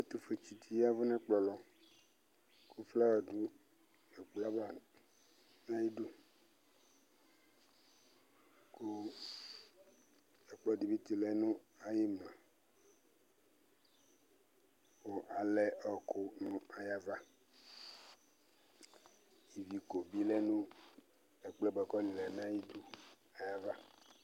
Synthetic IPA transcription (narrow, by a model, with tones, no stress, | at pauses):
e˦t̪u˨fe˨t͡ʃi˨t̪i˦ja˦vɛ˦nã˦k͡plɔ˨lɔ˨ | kʰu˦fla˦wɔ˨ɖu˦ | e˨k͡pla˦ba˨ | nã˦ji˦ɖu˦ | ku˦ | ɛ˨k͡plɔ˨di˨bi˦t̪i˨lɛ˦nũ˦a˨je˦m˨lã˨ | wo˨ʔa˨lɛ˦ɔ˨kʰo˦nũ˦a˨ja˦va˦ | ji˨vi˨ko˨bi˦lɛ˦nũ˦ | ɛ˨k͡plɛ˦bɛ˨kɔ˦nĩ˨lɛ˨nã˦ji˦du˦ | a˨ja˦va˦